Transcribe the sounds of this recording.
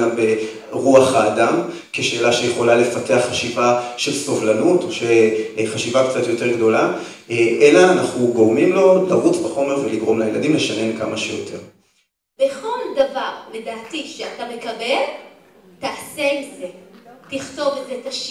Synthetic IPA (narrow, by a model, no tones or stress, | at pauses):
abe | ʁuaχaːdam | ke̞ʃe̞ːlaʃejeχo̞lale̞fate̞aχːaʃivaʃelso̞vlanutoʃeχaʃivakt͡sat̪jo̞te̞ʁɡdo̞la | ʔelaːnaχnuɡo̞ʁmimlo̞laʁut͡sbaχo̞me̞ʁveliɡʁo̞mlajeladimleʃane̞nkamaʃejotʰe̞ʁ | beχo̞ldavaʁle̞daːtiʃeatamekabe̞l | taaselzetiχto̞vetzetaʃ